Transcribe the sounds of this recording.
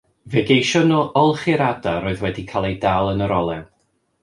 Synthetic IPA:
vɛɡejʃɔnɔːʔɔlˠχɪɾadaɾoːɨðwɛdikʰaːlˠejdaːlˠənəɾɔlˠɛn

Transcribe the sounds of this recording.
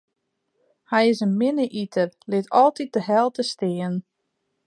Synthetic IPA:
hɛjɪsənmɪnəʔitʰərlɪtʰɔlˠtit̚dəɦɛlˠtəstɪːən

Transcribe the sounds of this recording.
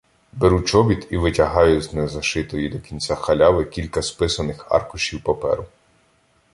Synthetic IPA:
beɾut͡ʃɔbʲit̪iʋɪtʲɐɦɑjʊznɛzɐʃɪt̪ɔjid̪ɔkʲinʲt͡sʲaxɐlʲɑʋɪkʲilʲkɐspɪsɐnɪxɑ̰rkʊʃʲiwpɔpɛ̰ɾʊ

